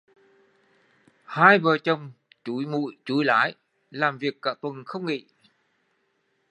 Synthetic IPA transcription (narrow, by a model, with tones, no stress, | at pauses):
haː˧jvəː˨˩t͡ɕə˨˧˩wŋ͡m | t͡ɕu˨˦jmṵ˧˨jt͡ɕu˨˦jla̰ː˨˦j | laː˨˩mvi˨˩əkːa̰ː˧˥t̪wə˨˩nxə˧wŋ͡mŋḭ˧˨